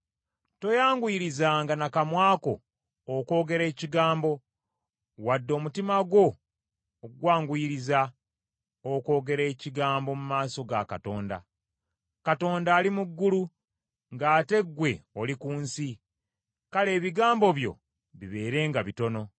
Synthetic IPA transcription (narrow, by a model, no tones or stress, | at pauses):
to̞jaːŋɡuiɾizaŋɡanakamwaːko̞ː | ko̞ːɡe̞ɾe̞ːciɡaːmbo̞ | wadːo̞ːmutimaɡwo̞ː | ɡwaːŋɡuiɾiza | oko̞ːɡe̞ɾe̞ːciɡaːmbo̞mumaːso̞ɡa̰kato̞ːnda̰ | kato̞ːndaːlimuɡːulu | ŋɡaːte̞ɡwe̞olikuːnsi | kale̞ːβiɡaːmbo̞βjo̞̰ | βiβe̞ːɾe̞ːŋɡaβito̞no̞